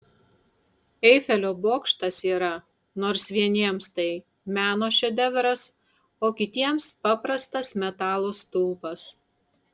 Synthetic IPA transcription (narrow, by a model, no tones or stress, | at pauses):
ɛɪfʲɛlʲoːboːkʃt̪ɐsiːɾɐ | noːɾsʋʲiɛnʲiɛmst̪ɐɪ | mʲæːnoːʃʲɛd̪ʲɛʋʲɛɾɐs | oːkʲɪt̪ʲiɛmspɑpɾɐst̪ɐsmʲɛt̪ɑːlˠost̪ʊlˠpɐs